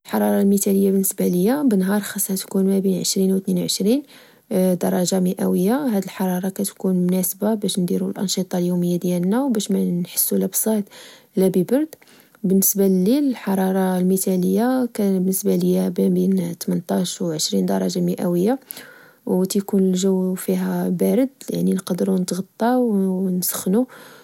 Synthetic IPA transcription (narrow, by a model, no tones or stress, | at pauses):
əlħɑɾˤɑɾˤɑlmit̪æləjːabənːəsbaləjːæbənɦɑɾˤxɑsˤːhæt̪kunmæbinʕəʃɾinwt̪ninwʕəʃɾin | d̪ɑɾˤɑʒaməʔæwəjːahæd̪əlħɑɾˤɑɾˤɑkæt̪kunmʊnæsbabæʃnd̪iɾulʔɑ̰nʃit̪ˤɑljuməjːad̪jælnæwbæʃmænħə̥sːulæbsˤɑt̪ | læbibɑɾˤd̪ | bənːəsballːilħɑɾˤɑɾˤɑlmit̪æləjːakæbənːəsbalijæbæbint̪mənt̪ˤɑʃwʕəʃɾind̪ɑɾˤɑʒaməʔæwəjːa | wt̪jkunlʒəwːfiɦæbæɾəd̪ja̰ʕninqɑd̪əɾunət̪ɣɑt̪ˤːɑwnsə̥xnu